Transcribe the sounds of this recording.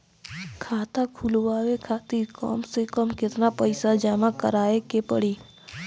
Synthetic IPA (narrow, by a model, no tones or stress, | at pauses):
kʰaːt̪akʰulʋaːʋekʰat̪ikɔ̰msekəmkɪt̪napəɪsad͡ʒaːmãkəɾaːekepə̰ɽiː